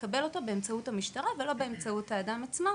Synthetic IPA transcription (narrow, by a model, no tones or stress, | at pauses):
kabe̞lo̞tobe̞emt͡sauthamiʃtaʁavelo̞beemt͡sautaːdamat͡smo